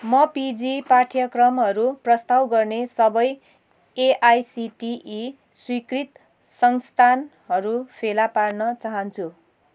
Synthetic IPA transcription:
mʌpid͡zipaʈʰjʌkrʌmɦʌɾuprʌst̪awɡʌrnesʌbʌj | eʔajsiʈiʔː | swikrit̪ | sʌŋst̪ʰan | ɦʌɾupʰelaparnʌt͡saɦʌnt͡sʰu

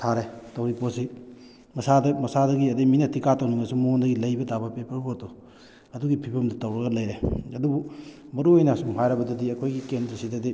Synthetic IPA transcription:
tʰaɾetɐwɾiposi | mɐsadɐmɐsadɐɡiɐdijminɐtikatɐwniŋɐsumondɐɡilɐjbɐdabɐpepɐɾpoto | ɐduɡipʰibɐmdɐtɐwɾɐɡɐlɐjɾeɐdubu | mɐɾuojnasumhʰajɾɐbɐdɐdiɐkʰojɡikendɾɐsidɐdij

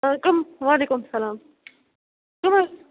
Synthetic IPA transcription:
akɐmʋaːleːkʊmsɐlaːm | kʊmɐ

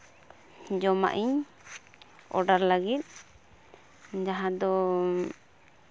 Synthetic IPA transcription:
d͡ʒɔma̰ʔiɲ | ɔ̰ɖaɾlaɡit̪̚ | d͡ʒaɦãd̪ɔ

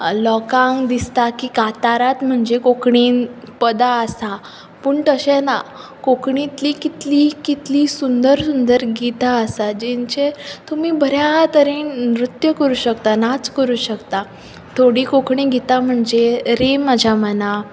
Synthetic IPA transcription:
lɔkãŋɡd̪ist̪akiːkat̪aɾat̪m̤əɳd͡zekokɳiːn | pəd̪aəsa | pəːɳt̪əɕɛ̃na | kokɳ̃ĩt̪likit̪likit̪liːsund̪əɾsund̪əɾɡit̪aəsad͡ʑẽɲt͡ɕet̪umiːbʱəɾjat̪əɾinmɾut̪jəkəɾuːɕəkt̪anat͡skəɾuːɕəkt̪a | t̪ʰoɽikokɳ̃ĩɡit̪am̤əɳd͡zeɾemːad͡ʑʱjaməna

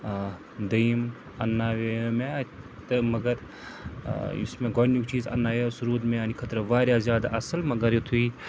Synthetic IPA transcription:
d̪ɐm | ɐnːaːʋemẽ | t̪ɐmɐɡɐɾ | ṵsmẽɡɔnjukt͡ʃiːzɐ̰nːaːjesuɾuːt̪mẽɐnikʰɐt̪ɾɐʋaːɾjazjaːd̪aʔɐsɐlmɐɡɐɾjet̪ʰui

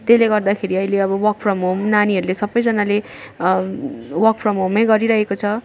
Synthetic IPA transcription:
t̪esleɡʌrd̪akʰeɾiʌileʌbʌwʌk̚pʰrʌmomnaniɦʌɾulesʌbʌjd͡zʌnale | wʌk̚pʰrʌmomajɡʌɾiɾʌɦekot͡sʰʌ

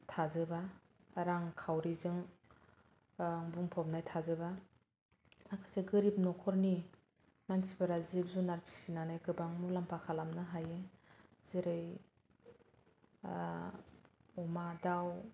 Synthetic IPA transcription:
tʰazɯba | ɾaŋkʰawɾizɯŋ | ŋbuŋpʰɔp̚najtʰazɯba | nakʰaseɡɯɾip̚nɔkʰɔɾni | mansibaɾazibzunaɾpʰi̥sinanajɡɯbaŋmulampʰakʰalamnɯɦaje | zeɾɯj | ɔmadaw

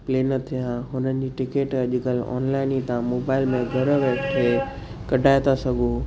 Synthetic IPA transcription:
pleːnɐt̪ʰijãɦʊnənɪ̆d͡ʑiʈɪkeːʈɐʄʊkɐl̤ɔ̰ːnlaːɪnit̪ãmoːbaːɪlmẽɡʱɐɾəʋekʰe | kɐɖʱaːjt̪ʰasɐɡʱoː

